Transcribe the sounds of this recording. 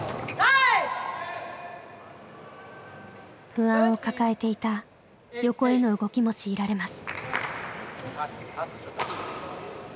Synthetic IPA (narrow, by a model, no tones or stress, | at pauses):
ɸɯ̟ãɰ̃o̞kakae̞t̪e̞it̪a | jo̞ko̞e̞no̞ɯ̟ɡo̞kʲimo̞ɕiːɾaɾe̞masɨ̥